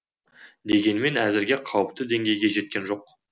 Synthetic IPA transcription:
d̪e̞ɡʲe̞nme̞næzɪɾɡʲeqʰɑwəp̚t̪əd̪e̞ŋɡʲe̞jɡʲe̞ʒe̞t̪̚kʲe̞nʒo̞q

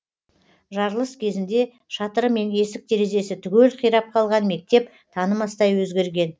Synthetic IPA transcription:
ʒɑɾlˠəskʲʰe̞zɪnd̪e̞ | ʃɑt̪əɾəme̞ne̞sɪk̚t̪ʰe̞ɾe̞ze̞sɪt̪ʰʏɡʲe̞lqʰijɾɑp̚qʰɑlˠʁɑnme̞k̚t̪e̞p̚ | t̪ʰɑnəmɑst̪ɑjwɵzɡʲe̞ɾɡʲe̞n

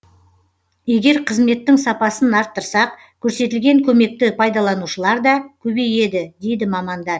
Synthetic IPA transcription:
je̞ɡʲe̞ɾqʰəzme̞t̪ːɪŋsɑpɑsənɑɾt̪ːəɾsɑq | kʲʰɵɾse̞t̪ɪlɡʲe̞ŋkʲʰɵme̞k̚t̪ɪpʰɑjd̪ɑlˠɑnuʃəlˠɑɾd̪ɑkʲʰɵbe̞je̞d̪ɪd̪e̞jd̪ɪmɑmɑnd̪ɑɾ

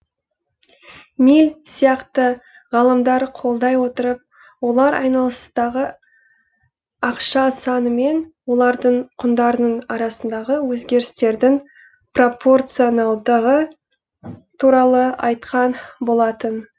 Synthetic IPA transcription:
milʲsijɑqt̪ə | ʁɑlˠəmd̪ɑɾqʰo̞lˠd̪ɑjwo̞t̪əɾəp̚ | wo̞lˠɑɾʔɑ̰jnɑlˠəst̪ɑʁə | ɑqʃɑsɑnəme̞nwo̞lˠɑɾd̪əɴqʰʊnd̪ɑɾənəɴɑɾɑsənd̪ɑʁəwɵzɡʲe̞ɾɪst̪e̞ɾd̪ɪŋ | pro̞pʰo̞rt̪sionalˠd̪əʁə | t̪ʰuɾɑlˠəɑjt̪qʰɑnbo̞lˠɑt̪ən

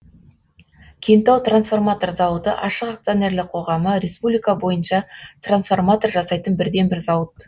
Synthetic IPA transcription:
kʲʰent̪ɑwt̪ransfo̞rmat̪o̞rzɑwət̪əʔɑʃəqak̚t̪sone̞rlɪq̚qʰo̞ʁɑməɾʲe̞spublijkabo̞jənʃɑt̪ransfo̞rmat̪o̞rʒɑsɑjt̪ənbɪɾd̪e̞nbɪɾzɑwət̪

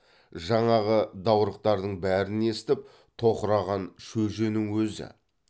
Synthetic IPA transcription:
ʒɑɴɑʁəd̪ɑwɾəq̚t̪ɑɾd̪əɴbæɾɪne̞st̪ɪp̚ | t̪ʰo̞qəɾɑʁɑnʃɵʒe̞nɪŋwɵzɪ̰

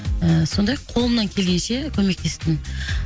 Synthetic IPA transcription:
əso̞nd̪ɑjqʰo̞lˠəmnɑŋkʲʰelɡʲe̞nʃe̞kʲʰɵme̞k̚t̪e̞st̪ɪn

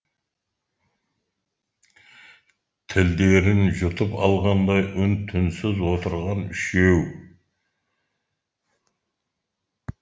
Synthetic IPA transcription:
t̪ʰɪld̪e̞ɾɪnʒʊt̪əpɑ̰lˠʁɑnd̪ɑjʔʊnt̪ʰʏnsɪzwo̞t̪əɾʁɑnʏʃew

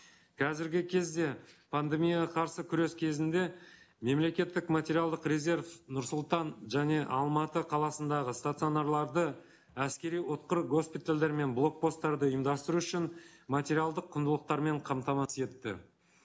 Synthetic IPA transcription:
kʰɑzɪɾɡʲɪkʲʰe̞zd̪e̞pʰand̪e̞mijqʰɑɾsəkʲʰʏɾe̞skʲʰe̞zɪnd̪e̞ | me̞mle̞kʲe̞t̪ːɪkmat̪ʲe̞ɾijalˠd̪əqrʲe̞zʲe̞ɾfnʊɾsʊlˠt̪ɑnʒæne̞ʔɑ̰lˠmɑt̪əqʰɑlˠɑsənd̪ɑʁəst̪at̪sio̞narlˠɑɾd̪ə | æskʲe̞ɾijwot̪̚qəɾɡo̞spijt̪alʲd̪e̞ɾme̞nblˠo̞k̚po̞st̪ːɑɾd̪əʊjəmd̪ɑst̪əɾuʏʃɪnmat̪ʲe̞ɾialˠd̪əqʰːʊnd̪əlˠəq̚t̪ɑɾme̞ɴqʰɑmt̪ɑmɑse̞t̪ːɪ̰

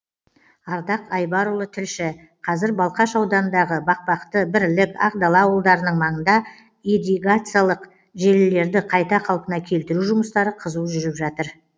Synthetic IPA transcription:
ɑɾd̪ɑqɑjbɑɾulˠət̪ʰɪlʃɪ | qʰɑzɪɾbɑlˠqɑʃɑwd̪ɑnənd̪ɑʁəbɑq̚pɑqt̪əbɪɾlɪkɑ̰qd̪ɑlˠɑwəlˠd̪ɑɾənəɴmɑɴənd̪ɑ | id̪iɡat̪sɨjalˠəq | ʒe̞lɪle̞ɾd̪ɪqʰɑjt̪ɑqʰɑlˠpənɑkʲʰe̞lt̪ɪɾuʒʊməst̪ɑɾəqʰəzuwʒʏɾɪpʒɑt̪əɾ

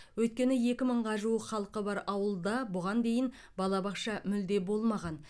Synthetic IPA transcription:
wɵjt̪̚kʲe̞nɪje̞kʲɪməɴʁɑʒuəqχɑlˠqəbɑɾɑwəlˠd̪ɑbʊʁɑnd̪e̞jɪn | bɑlˠɑbɑqʃɑmʏld̪e̞bo̞lˠmɑʁɑn

